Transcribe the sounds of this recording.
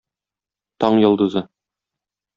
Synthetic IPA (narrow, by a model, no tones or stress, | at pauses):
t̪ɒɴjŏlˠd̪ŭzɤ